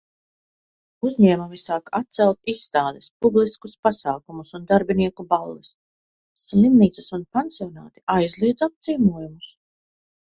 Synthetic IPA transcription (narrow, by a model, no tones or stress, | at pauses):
uzɲɛːmumisaːkat̪̚t̪sɛlˠt̪isːt̪aːd̪ɛspublˠiskuspasaːkumusund̪aɾbiniɛkubalˠːisː | lˠimniːt̪sɐsunpɛnsiɔna̰ːt̪i̥ʔajzlˠiɛd̪zap̚t̪siːmuɔjumus